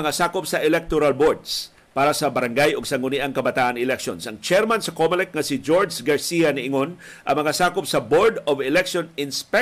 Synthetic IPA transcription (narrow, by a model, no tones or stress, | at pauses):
ɐŋasaːkʊpsɐʔɛlɛk̚t̪oɾalboɹd̪s | paːɾɐsɐbɐɾaŋɡajʊɡsɐŋʊniʔaŋkɐbɐt̪aːʔanɪlɛkʃo̰nsɐŋt͡ʃɛɾmansɐkomɪlɛk̪̚ŋɐsɪd͡ʒoɹd͡ʒsɡaɹsianɪʔɪŋon | ʔɐŋmɐŋasaːkʊpsɐboɹd̪ovɛlɛkʃonɪnspɛ